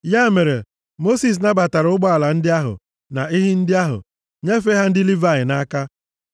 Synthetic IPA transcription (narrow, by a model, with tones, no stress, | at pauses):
ja˦e˦me˨ɾe˨ | mo˦si˨s̬na˦ba˨ta˨ɾʊ˦ɡ͡bɔ˦a˨la˨n̩˦dɪ˦a˦ɦʊ̰˨ | na˨ɪ˦ɦɪ˦n̩˦dɪ˦a˦ɦʊ̰˨ | ɲe˦f̬e˦ɦa˦n̩˦dɪ˦li˦va˦˨ɲɪ˨na˦ka˦